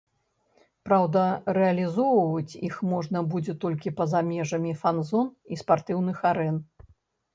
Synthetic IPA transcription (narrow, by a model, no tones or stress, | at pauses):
pɾawd̪ɐɾɛɐlʲizɔwvɐt͡sʲixmɔʐnɐbud͡zʲɛt̪ɔlʲkʲipɐzamʲɛʐɐmʲifanzɔnispart̪ɨwnɨxaɾɛn